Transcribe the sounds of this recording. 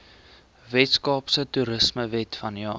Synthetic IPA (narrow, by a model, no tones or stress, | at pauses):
vɛtskɑːpsətuɾəsməvɛtfɐnjɑː